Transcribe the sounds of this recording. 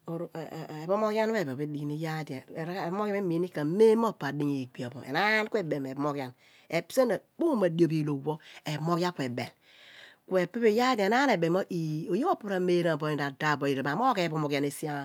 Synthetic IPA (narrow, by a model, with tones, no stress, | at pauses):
o˨ɾe˨bo˦mo˦kja˦n˦e˦˨bo˨be˦di˨ɡi˨ni˦ja˦da˨ɾbmo˦kje˦mi˨˦ni˦ka˨˦me˦mo˦˨pa˨di˦ɲe˨ɡ͡bi˨a˨bo̰˨ḛ˨na˦nkʷe˦be˨me˨bo˨˦mo˦kja˦n | e˨pse˦na˨bo˦ma˨di˦o˨bi˨lo˨wo˦e˨mo˦kja˦kwe˨bḛ˨l | ku˦e˨pe˦pe˦ja˦dna˦e˨be˨mo˦ʔi˨o˨jo˦o˦pu˦ɾa˨me˦ɾa˨bo˨˦i˨da˨da˦˨bo˨ji˨ɾe˨a˨mo˦ke˨bo˨˦mo˨ka˦ne˨si˦a˦˨